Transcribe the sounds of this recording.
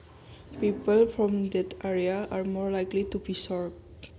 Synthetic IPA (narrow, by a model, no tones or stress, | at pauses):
pipəlfɹɔ̃md̪ɛtʰɛɹiaaɹmɔɹlajklitubisɔɹb